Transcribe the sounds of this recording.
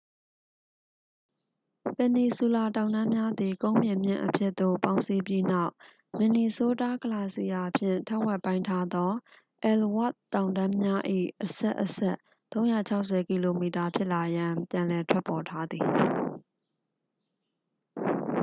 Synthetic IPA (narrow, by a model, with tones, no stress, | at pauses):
pɛ˨ni˨su˨la˨tã˨ʊ̃ndã˦mja˦d̪i˨kõ˦ʊ̃mbjɪ̃˨mjɪ̰̃˦˨ʔəpʰjɪ˦ʔ̪t̪o̰˦˨pã˦ʊ̃nsi˦pji˦na˦˨ʊʔ | mɪ̃˨ni˨so˦ta˦kə˨la˦˨si˦˨ja˨pʰjɪ̰̃˦˨ntʰa˦ʔwɛ˦ʔpːã˦ɪ̃ntʰa˦d̪ɔ˦ | ʔɛ˨lwa̰˦ʔt̪ːã˨ʊ̃ndã˦mja˦ʔḭ˦˨ʔəsɛ̰˦ʔːəsɛ˦ʔ | t̪õ˦ʊ̃ja˦˨t͡ɕʰa˦ʊʔsɛ˨ki˨lo˨mi˨ta˨pʰjɪ˦ʔla˨jã˨pjã˨lɛ˨tʰwɛ˦pɔ˨tʰa˦d̪ði˨